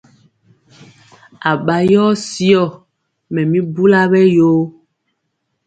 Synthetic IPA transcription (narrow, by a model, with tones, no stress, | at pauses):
a˨ɓa˨jɔ˦si˦ɔ˦˨ | mɛ̃˨mĩ˦bu˦la˦βɛ˦jo˦